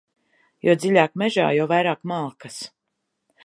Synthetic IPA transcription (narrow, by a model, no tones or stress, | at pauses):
jɔd̪zilʲaːkmɛʒa̰ːjawvajɾaːkmalˠkɐs